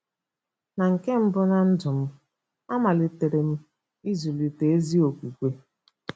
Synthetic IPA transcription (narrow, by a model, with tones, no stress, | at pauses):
na˨ŋ̩˨ke˦m̩˦bʊ˦na˨n̩˦dʊ˨m̩˦ | a˦ma˨lɪ˨te˨ɾe˨m̩˦ | i˦zu˨li˨te˨e˦zi˦o˨kʷi˨kʷe˦